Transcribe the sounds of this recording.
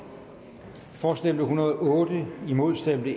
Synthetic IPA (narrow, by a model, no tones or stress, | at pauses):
fɒːsd̥em̰d̥əɦunɐð̩ˠɔ̽ːd̥əimo̝ðˠsd̥em̰d̥ə